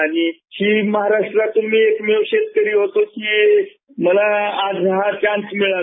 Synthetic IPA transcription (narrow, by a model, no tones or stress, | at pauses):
aɽ̃iɕiːməɦaɾaʂʈɾat̪ːum̤iːekmeʋɕed̪̚kəɾiːɦot̪okiː | məlaad͡zɦat͡ɕãnsmiɭa